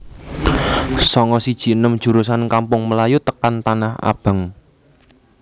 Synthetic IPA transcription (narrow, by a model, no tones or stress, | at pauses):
sɔŋɔsid̥ʒ̥i̤nəmd̥ʒ̥ṳɾus̬ankampʊŋməlajut̪əkant̪anaha̰b̥ə̤ŋ